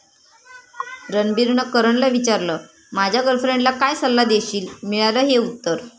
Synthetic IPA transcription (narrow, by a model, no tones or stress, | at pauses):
ɾənbiɾɳəkəɾəɳləʋit͡ɕaɾləː | mad͡ʑʱaɡəlfɾeɳɖlakajsəlːad̪eɕiːlmiɭaləːɦeut̪ːəɾ